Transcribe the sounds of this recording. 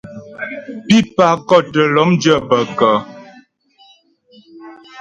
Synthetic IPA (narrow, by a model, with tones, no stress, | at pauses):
pi˦pa˨kɔ˦˨tə˨lɔ˨˦md͡ʒə˦˨bə˨kə˨